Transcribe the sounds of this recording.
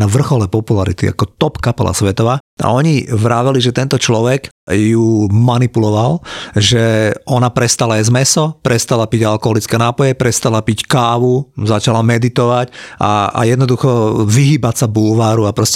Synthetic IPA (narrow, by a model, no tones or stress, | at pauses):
naʋr̩xɔlɛpɔpulaɾḭt̪ḭa̰kɔt̪ɔpkapɛlʔa̰sʋɛt̪ɔʋaː | a̰ɔɲiʋɾaːʋɛliʒɛt̪ɛnt̪ɔt͡ʃlɔʋɛkjumanipulɔʋalʒɛɔnapɾɛst̪alajɛzmɛsɔpɾɛst̪alapiɟalkɔɦɔlit͡skɛːnaːpɔjɛpɾɛst̪alapickaːʋuzat͡ʃalamɛd̪it̪ɔʋacʔa̰a̰jɛd̪nɔd̪uxɔʋiɦiːbacsabulʋaːɾuapɾɔsc